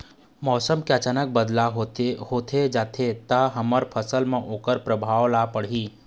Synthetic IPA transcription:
mɔːsəmkeət͡ʃaːnək̚bəd̪laɦohoːt̪ʰed͡ʒaːt̪ʰet̪aɦɐməɾpʰəsəlmẽʔoːkəɾpɾəbʱaːwlapəɽiː

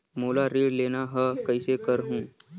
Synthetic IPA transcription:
moːlaɾeːɽleːnaɦəkɐisekəɾɦũː

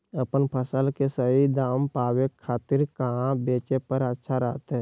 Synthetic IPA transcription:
əpənpʰəsəlkesəɦid̪aːmpaːwekʰːaːt̪ɪɾkəɦãbeːt͡ʃepəɾətːʃʰaɾə̰ɦt̪ɦɛ

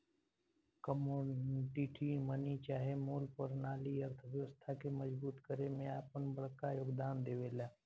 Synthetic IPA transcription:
kəmoɖiʈʰimənit͡ʃaːɦemoːlpəɾnaːliəɾt̪ʰəʋjəʋəst̪ʰakeməzbuːt̪kəɾemẽaːpənbəɽkajoːɡd̪aːnd̪eːʋeːlaː

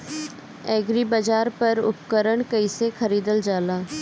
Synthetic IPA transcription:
ɛːɡɾibad͡ʒaːɾpɐɾʊ̰pkəɾəɽkəisexʰɐɾiːd̪əld͡ʒaːlãː

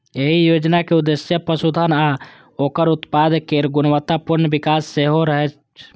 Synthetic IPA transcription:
eɦijod͡ʒnakeud̪esjəpəsud̪ʱəna | okəɾut̪pad̪ʱkeɾɡunəʋət̪apuɾnbikasːeɦoɾəɦɛt͡ʃ

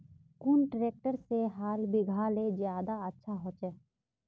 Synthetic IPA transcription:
kʊnʈɾeːk̚ʈəɾseɦaːlbɪɡʱaːlezjaːd̪aətːʃʰaɦoːt͡ʃɛ

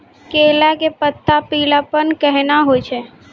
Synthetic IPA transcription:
keːlakepət̪ʰːapiːlapənkɛɦnaɦot͡ʃʰeː

